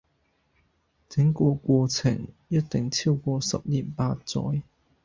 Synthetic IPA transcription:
t͡sɪ˨˥ŋkʷɔː˧kʷɔː˧t͡sʰɪ̰˨˩ŋ | jɐ˥t̚t̪ɪ˨˩ŋt͡sʰiː˥wkʷɔː˧sɐ˨p̚liː˨˩npaː˧t̚t͡sɔ̰ː˨˥j

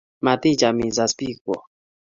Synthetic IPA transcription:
ma˨tĩ˦˨d͡ʒa˨mĩ˨za˨spi˦kwɔ˨

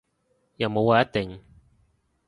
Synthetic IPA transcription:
jɐ˨wmo˨˧waː˨˧jɐ˥t̚t̪ɪ˨ŋ

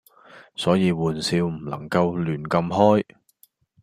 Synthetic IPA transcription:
sɔː˨˥jiː˨˧wuː˨nsiː˧wm̩˨˩lɐ̰˨˩ŋkɐ˧wlyː˨˩nkɐ˧mɦɔː˥j

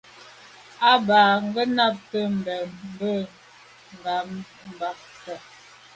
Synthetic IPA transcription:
a˦baː˨ŋ˦ɡə˦na˦p̚tə˦m̩˨bɛ˨m̩˦bə˦˨ | m˨ba˨˦m | m̩˨ba˨˦k | sə˨

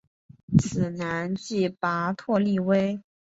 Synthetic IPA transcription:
t͡sʰɹ̩˨˩na˧˥nt͡ɕi˥˩pa˧˥t̪ʰwɔ˥˧li˥˧we˥ɪ

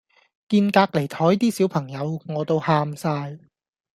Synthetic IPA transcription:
kiː˧nkaː˧k̚le˨˩jt̪ʰɔː˨˥jt̪iː˥siː˨˥wpʰɐ˨˩ŋjɐ˨˧wŋɔː˨˧t̪o˥˧whaː˧msaː˧j

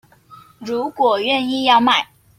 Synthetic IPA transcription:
ɻu˧˥kwɔ˨˩ɥɛ˥˧˨ni˥˧jɑ˥˧ʊma˥˩ɪ

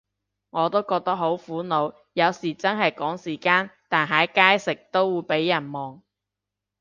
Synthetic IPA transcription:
ŋɔː˨˧t̪o˥wkɔː˧k̚t̪ɐ˥k̚ɦo˨˥wfuː˨˥no˨˧w | jɐ˨˧wsiː˨˩t͡sɐ˥nɦɐ˨jkɔː˨˥ŋsiː˨˩kaː˥nt̪aː˨nɦaː˨˥jkaː˥jsɪ˨k̚t̪o˥wːuː˨˧jpe˨˥jːɐ˨˩nmɔː˨ŋ

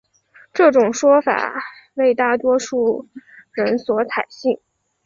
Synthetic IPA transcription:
ʈ͡ʂɤ˥˩ʈ͡ʂʊ˨˩ŋʂwɔ˥fa̰˨˩ | we˥˧ɪt̪a˥˩t̪wɔ˥ʂu˥˩ɻə˧˥nswɔ˧˥t͡sʰa˨˩ɪɕi˥˩ŋ

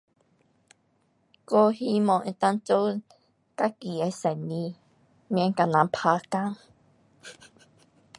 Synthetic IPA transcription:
ko˦hi˦mɔ̃˧˨ʔẽ˧t̪a˧˦nt͡so˦ | ka˦ki˨ɛ˧˦sɛ˨nĩ˧˦ | mjɛ̃˧˦ŋka˨nã˨˧mpʰa˧ka˦ŋ

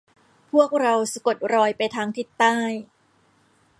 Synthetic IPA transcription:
pʰu˥˩ək̚ɾa˧wsi˨˧˩ko˨˩t̪̚ɾɔː˧jpa˧jt̪ʰaː˦˥ŋt̪ʰi˨˩t̪ːaː˥˩j

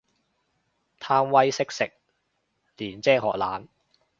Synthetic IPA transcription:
t̪ʰaː˥mwɐ˥jsɪ˥k̚sɪ˨k̚ | liː˨˩nt͡sɛː˥ɦɔ̰ː˨k̚la̰ː˨˥n

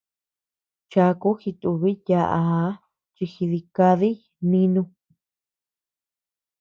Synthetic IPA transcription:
t͡ʃa˧ku˦xi˧t̪u˧βi˦ja˧ʔa˧˦ | t͡ʃi˧xi˧ði˧ka˧ði˦ | nĩ˦˧nũ˧

